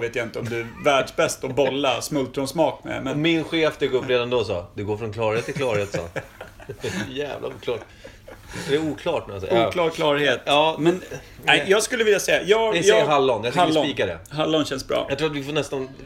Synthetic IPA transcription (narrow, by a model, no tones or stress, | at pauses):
veːt̪jaɪnt̪əɔmd̪ɵævæːɖʂbɛst̪ɔbɔlːasmɵlt̪ɾɔnsmɑːkmɛ̰mɛnmɪnɧeːfd̪ɛɡɵpːɾeːd̪and̪ɔsɑ̰ːd̪ɵɡoːɾfɾɔnkʰlɑːɾheːt̪ːɪlkʰlɑːɾheːt̪ssɑ̰ː | jæ̰ːvla̰uːkʰlɑːʈ | sɔd̪ɛɾuːkʰlɑːʈnɛmasɛ̰jkʰlɑːɾkʰlɑːɾheːt̪ɑːmɛnnɛjɑːɡskɵlːəvɪljasɛjːajɑːjːɦalːɔnjat̪alsːɔniːkad̪ɛ̰ɦalːɔnɕɛnsbɾɑ̰ːjakt̪ʰɾuːat̪vɪfoːɳɛst̪an